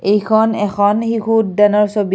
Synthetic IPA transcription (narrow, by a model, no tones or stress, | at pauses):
ejkʰɔnɛxʰɔnxixuddanɔɹsobi